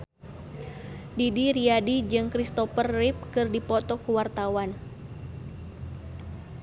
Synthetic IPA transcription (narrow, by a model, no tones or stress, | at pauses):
didiɾiadid͡ʒɨŋkɾist̪ɔfərːip̚kɨrdipɔt̪ɔkuwart̪awan